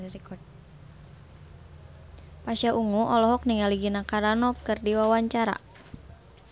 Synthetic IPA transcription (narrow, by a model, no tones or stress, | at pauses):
ɾikɔd̚ | pasaʔuŋuʔɔlɔɦɔk̚niŋaliɡinakaɾanɔkɨrdiwawaɲt͡ʃaɾa̰